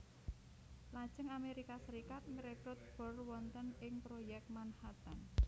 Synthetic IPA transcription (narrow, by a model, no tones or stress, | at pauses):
lḁʒ̥əŋameɾikasəɾikat̪̚ŋɾetʊt̪̚b̥ɔrwɔnt̪ənɪŋpɾojɛk̚t̪̚manhat̪an